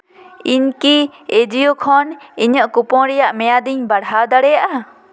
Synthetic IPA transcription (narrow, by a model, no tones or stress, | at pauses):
iɲkied͡ʒijokʰɔniɲəʔkupɔ̃ɽɛjaʔmɛjad̪iɲbaɽɦad̪aɽɛjaʔa